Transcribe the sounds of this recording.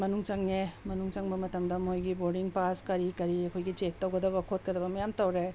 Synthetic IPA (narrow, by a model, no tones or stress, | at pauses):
mɐnuŋt͡ʃɐŋemɐnuŋt͡ʃɐŋbɐmɐtɐmdɐmojɡiboɾɖiŋpaskɐɾikɐɾiɐkʰojɡit͡ʃek̚tɐwɡɐdɐbɐkʰot̚kɐdɐbɐmɐjamtɐwɾe